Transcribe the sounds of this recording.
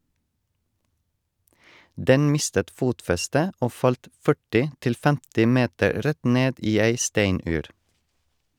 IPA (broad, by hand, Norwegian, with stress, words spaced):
ˈdɛn ˈmɪstət ˈfuːtfɛstə ˈoː ˈfɑlt ˈfœʈɪ ˈtɪl ˈfɛmtɪ ˈmeːtəɾ ˈɾɛt ˈneːd ˈiː ˈæɪ ˈstæɪnʉːɾ